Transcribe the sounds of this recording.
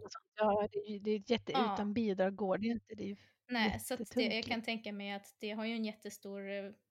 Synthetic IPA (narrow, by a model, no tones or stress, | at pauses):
ɔsɔnt̪jɑːd̪ɛːjɵd̪ɛjɛt̪ːəʉ̟ːt̪anbiːd̪ɾɑːɡoːɖɛɪnt̪əd̪ɛjʉ | nɛːɛsat̪ːəɛjɑːɡkʰant̪ʰɛŋkamɛjat̪d̪̥ɛɦaɾjɵɛnjɛt̪ːəst̪uːɾ